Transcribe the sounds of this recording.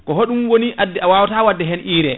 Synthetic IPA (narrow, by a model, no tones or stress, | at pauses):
kɔɦoɗumwoniʔadːiawawtawadːɛɦɛnʔiːɾɛ